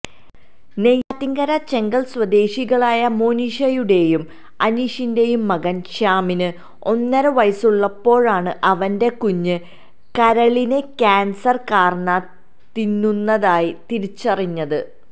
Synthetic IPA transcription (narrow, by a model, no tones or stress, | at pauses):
nejaːt̪ːiŋɡɐɾɐt͡ɕe̞ŋɡɐɭswɐd̪e̞ːɕiɣɐɭaːjɐmo̞ːniɕɐjuɽe̞jum | ɐniɕinde̞jumːɐɣɐnɕaːminɨ | o̞nːɐɾɨʋɐjsuɭːɐpːo̞ːɻaːɳɨʔɐʋɐnde̞kuɲːɨ | kɐɾɐɭinɨkʲaːnsɐrkaːrɐɳɐ | t̪inːunːɐðaːjit̪iɾit͡ɕːɐriɲːɐðɨ